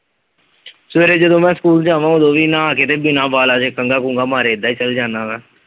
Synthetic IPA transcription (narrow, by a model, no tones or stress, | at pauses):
sʋeːɾeːd͡ʒəd̪õːmɛ̃ːskuːld͡ʒãːʋãːõd̪õːʋiːnãːaːkeːt̪eːbɪnãːbaːlaːd͡ʒeːkəŋɡaːkũːŋɡaːmaːɾeːd̪aːiːt͡ʃəld͡ʒaːnaːʋɛ̃ː